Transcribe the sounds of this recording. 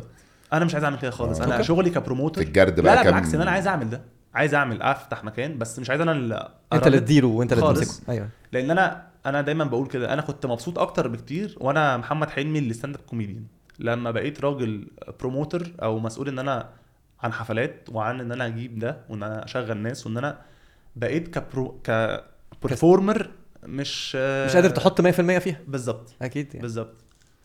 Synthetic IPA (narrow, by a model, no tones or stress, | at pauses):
ʔænæmeʃʕajzaʕmelked̪æxɑːlesˤʔænæʃoɣlikæpɾomoːt̪eeɡæɾˤd̪bæælæʔeæeʕaksʔenːʔænæʕaːjezʔaʕmeld̪æ | ʕaːjezʔaʕmelʔæ̰ft̪aħmækæːnbæsːmeʃ̬ʕajezʔænæ | ʔeˤælet̪̚d̪iːluwent̪æleːleekˤʔæjleʔenːʔænæʔænæd̪æjmæmbæʔuːlked̪æʔæ̰næxot̪ːmɑbsˤuːt̪ˤʔɑk̚t̪ɑɾˤbekt̪iːɾwʔænæmoħamːæd̪ħelmilːest̪ænd̪æb̚komiːd̪jæn | læmːæbæʔeːt̪ɾˤɑːɡelpɾomoːt̪oɾʔæ̰wmæsʔuːlʔenːʔænæ | ʕanħafælæːt̪̚weʕanʔenːʔænæʔæɡiːb̚d̪æwʔenːʔææʔæ̰ʃæɣːælnːæːsweʔenːʔænæ | bæʔeːt̪kæpɾokæ | peɾfoɾmeɾmeʃmeʃʔæd̪eɾt̪eħot̪ˤːmæjːæfilmejːæfiːhæbezˤːɑb̚t̪ˤʔækiːd̪bezˤːɑb̚t̪ˤ